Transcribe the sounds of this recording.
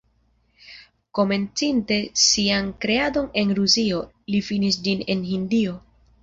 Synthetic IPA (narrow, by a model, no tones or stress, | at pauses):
ko̞me̞nt͡sinte̞siankɾe̞ado̞ne̞nɾusio̞ | lifinis̬d͡ʒine̞nɦindio̞